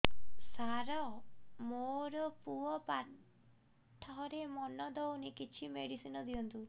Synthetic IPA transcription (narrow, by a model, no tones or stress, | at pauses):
saɾɔmoɾɔpuɔpa | ʈʰɔɦɔɾemɔnɔd̪ɔwnikit͡ʃʰimeɽisinɔd̪iɔnt̪u